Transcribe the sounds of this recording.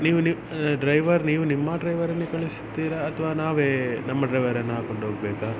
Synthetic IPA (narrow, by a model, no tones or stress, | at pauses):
niːʋuni | ɖɾɐjʋɐɾniːʋunimːɐɖɾɐjʋɐɾɐnːikɐɭisi̥t̪ːiːɾɐːt̪ʰɐʋaːnaːʋeːnɐmːɐɖɾɐjʋɐɾɐnːɐɦaːkoɳɖɦoːɡɐbɛːka